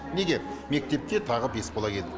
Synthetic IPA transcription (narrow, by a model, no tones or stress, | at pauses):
ne̞ɡʲe̞me̞k̚t̪e̞p̚t̪e̞t̪ʰɑʁəbe̞sbolˠɑkʲʰe̞ld̪ɪ